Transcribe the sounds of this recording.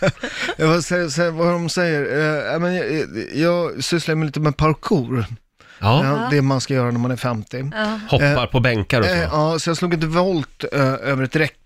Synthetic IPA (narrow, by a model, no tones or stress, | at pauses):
vasɛsɛvaɾɔmsɛjːəɾɛmɛnjjɑːɡsʏsladəmɛjliːt̪əmɛpʰaɾkʰuːɾ | d̪ɛmanskajœːɾanæɾmanæɾfɛmt̪ɪhɔːaɾpʰɔbɛŋkaɾɔsɑːsɔjɑːsluːɡɪnt̪̬əvɔlt̪øːvəɾɛt̪ɾɛkː